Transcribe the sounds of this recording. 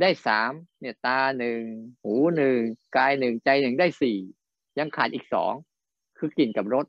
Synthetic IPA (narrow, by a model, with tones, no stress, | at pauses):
daː˥˩jsaː˩˦mni˥˩ɐt̪aː˧nɯ˨˩ŋhuː˩˦nɯ˨˩ŋkaː˧jnɯ˨˩ŋt͡ɕa˧jnɯ˨˩ŋdaː˥˩jsiː˨˩ | ja˧ŋkʰaː˨˩t̪̚iː˨˩k̚sɔ̰ː˩˦ŋ | kʰɯː˧ki˨˩nka˨˩p̚ɾo˦˥t̪̚